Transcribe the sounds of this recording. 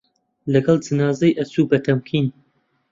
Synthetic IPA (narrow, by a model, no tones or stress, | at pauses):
lɐɡɐlˠd͡ʒɨnaːzɐjʔɐt͡suːbɐt̪ʰɐmkʰiːn